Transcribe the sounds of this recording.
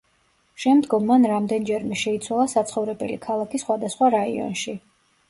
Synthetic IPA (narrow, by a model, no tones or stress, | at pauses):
ʃɛmd̪ɡɔmːanɾamd̪ɛnd͡ʒɛɾmɛʃɛit̪sʰwalˠasat̪sʰχɔvɾɛbɛ̰likʰalˠakʰisχwad̪asχwaɾaḭɔ̰nʃi